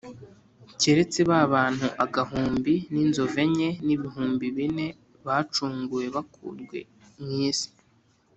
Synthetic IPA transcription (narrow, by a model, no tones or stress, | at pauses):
ce̞ɾe̞t͡seβaβaːn̥huʔaɡaɦuːmbininzo̞ve̞ɲe̞niβiɦuːmbiβine̞ | βaːt͡ʃuːŋɡuje̞βakʰṵːɾɡwe̞̰ | mŋiːsi̥